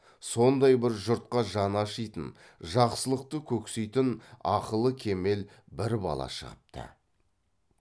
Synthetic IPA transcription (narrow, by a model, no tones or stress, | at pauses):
so̞nd̪ɑjbɪɾʒʊɾt̪̚qɑʒɑnɑʃəjt̪ən | ʒɑqsəlˠəq̚t̪əkʲʰɵksejt̪ɪnɑqəlˠəkʲʰe̞me̞l | bɪɾbɑ̰lˠɑ̰ʃə̰ʁəp̚t̪ʰə̰